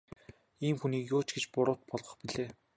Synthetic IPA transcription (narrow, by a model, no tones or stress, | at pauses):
iːmxuniːkjʊːt͡ɕɡet͡ɕpʊɾʊːt̪̚pɔɮʁɞ̆χpiɮeː